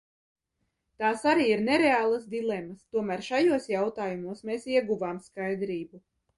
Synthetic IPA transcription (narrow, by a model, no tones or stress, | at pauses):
t̪aːsaɾiːiɾneɾeaːlˠasd̪ilˠɛmast̪uɔmæːɾʃajuɔsjawt̪aːjumuɔsmeːsiɛɡuvaːmskajd̪ɾiːbu